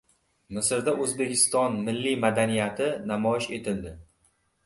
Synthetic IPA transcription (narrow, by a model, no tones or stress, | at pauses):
mɪsɾd̪aʔɵzbe̞kʲʰɪst̪ɒnmɪlːimad̪anijat̪ʰɪnamɒɪʃe̞t̪ʰɪld̪ɪ